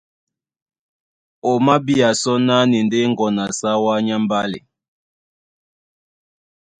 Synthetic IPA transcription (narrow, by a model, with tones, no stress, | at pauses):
o˨ma˦bi˦a˨sɔ˦na˦ni˨nde˦ŋɡɔ˨na˨sa˦wa˦ɲa˦m˦ba˦lḛ˨